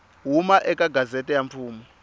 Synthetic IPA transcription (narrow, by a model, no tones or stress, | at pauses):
ɦumaʔɛkʼaɡʱazɛtʼɛjamt͡fʰuːmɔ